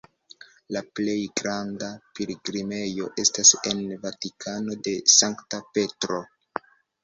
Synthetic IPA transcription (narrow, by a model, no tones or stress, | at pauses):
laple̞jɡɾandapiliɡɾime̞jo̞ʔe̞stase̞nvatikʰano̞de̞saŋktape̞tɾo̞